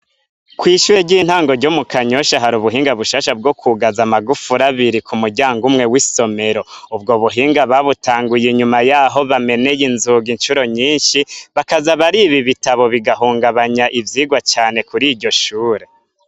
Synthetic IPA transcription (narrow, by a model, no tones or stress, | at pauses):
kwiːʃuɾeɟiːn̥haːŋɡo̞ɾɟomukaɲoʃaɦaɾuβuɦiːŋɡaβuʃaːʃab̚ɡo̞kʰuɡazamaɡufuɾaβiɾikʰumuɾɟaːŋɡumŋe̞wiso̞me̞ɾo̞ub̚ɡo̞βuɦiːŋɡaβaβutaːŋɡujeɲumajaːɦo̞βame̞ne̞jinzuɡinʃuɾo̞ɲiːnʃiβakazaβaɾiːβiβitaβo̞βiɡaɦuːŋɡaβaɲaʔivjiːɡwat͡ʃaːne̞kuɾiːɾɟo̞ʃuːɾe̞